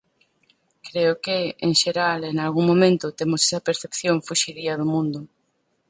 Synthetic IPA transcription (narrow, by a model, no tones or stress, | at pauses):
kɾeʊkeeŋʃeɾaleŋalɣuŋmõmẽnt̪ʊt̪emʊsesɐpeɾθepθjoŋfuʃiðiɐðʊmũnd̪ʊ